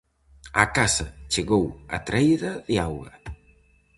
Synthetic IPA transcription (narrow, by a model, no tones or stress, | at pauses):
akasɐt͡ʃeɣowa̰t̪ɾʔɛjðɐðiawɣɐ̰